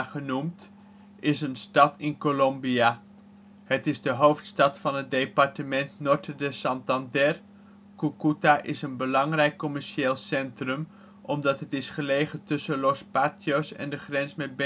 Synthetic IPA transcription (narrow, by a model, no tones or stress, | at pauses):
χənumt | ɪsənstɑtɪnkolɔmbia | hətɪzdəɦowftstɑtfɑnɦət̚dejpɑrtəmɛntnɔɹtədəsɑntɑndɛr | kukutaʔɪsənbəlɑŋrɛjkːɔmɛɹʃeːlˠsɛntrəm | ʔɔmdɑtɦətɪsχəlejχətɵsəlɔspatjosɛ̰ndəχrɛnsmɛt̚b